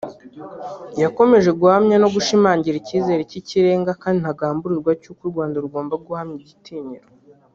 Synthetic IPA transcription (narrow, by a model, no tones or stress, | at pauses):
jako̞me̞ʒe̞ɡuhamɲano̞ɡuʃimaːɲɟiɾiciːze̞ːɾiciciɾe̞ːŋɡakaːndin̥haɡaːmbuɾiɾɡwacuːkuɾɡwaːndaɾuɡo̞ːmbaɡuhamɲiɟitʰiːɲiɾo